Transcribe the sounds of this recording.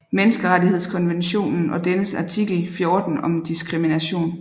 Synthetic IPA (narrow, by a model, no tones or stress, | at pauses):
menəsɡ̥əʁaɾihe̝ð̞̰ˠskʰɒ̽nʋenɕo̝̰ːnn̩ʔɒ̽d̥enəsɑ̈t͡sʰiɡ̥l̩fjo̝ːd̥n̩ɒ̽md̥isɡ̥ʁiminæɕo̝̰ːn